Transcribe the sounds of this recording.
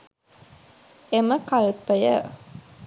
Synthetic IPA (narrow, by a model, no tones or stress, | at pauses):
eməkalpəjə